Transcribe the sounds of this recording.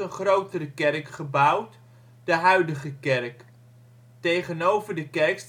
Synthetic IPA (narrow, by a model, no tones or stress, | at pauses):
ənχrowtərəkɛrkχəbɑwt | d̥əɦœɥdəχəkɛrk | tejχənowvəɹdəkɛrks